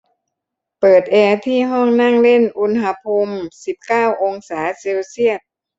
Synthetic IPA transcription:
pɤː˨˩t̪̚ʔɛː˧t̪ʰiː˥˩ɦɔ˥˩ŋna˥˩ŋle˥˩nʔu˧˥nɦa˧˥pʰo˧msi˨˩˦p̚kaː˥˩wʔo˧ŋsaː˩˦se˧wsi˥˩ət̪̚

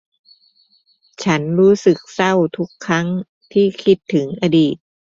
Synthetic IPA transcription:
t͡ɕʰa˦˥nɾuː˦˥sɯ˨˩k̚sa˥˩wt̪ʰu˦˥kʰːɾa˦˥ŋ | t̪ʰiː˥˩kʰi˦˥t̪ʰːɯ˩˦ŋʔa˧diː˨˩t̪̚

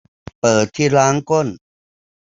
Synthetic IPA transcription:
pɤː˨˩t̪ʰːiː˥˩laː˦˥ŋko˥˩n

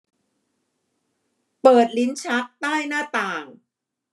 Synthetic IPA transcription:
pɤː˨˩t̪̚li˦˥nt͡ɕʰa˦˥k̚t̪aː˥˩jnaː˥˩t̪aː˨˩ŋ

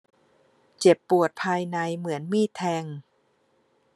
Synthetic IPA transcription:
t͡ɕe˨˩pːu˨˩ət̪̚pʰaː˧jna˧jmɯ˩˦ənmiː˥˩t̪ʰːɛː˧ŋ

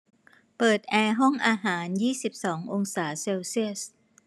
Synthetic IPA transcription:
pɤː˨˩t̪̚ʔɛː˧ɦɔ˥˩ŋʔaː˧ɦaː˩˦njiː˥˩si˨˩p̚sɔː˩˦ŋʔo˧ŋsaː˩˦seː˧wsi˥˩əs

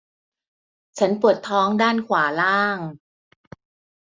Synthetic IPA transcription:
t͡ɕʰa˦˥npu˨˩ət̪ʰːɔː˦˥ŋdaː˥˩nkʰwaː˩˦laː˥˩ŋ

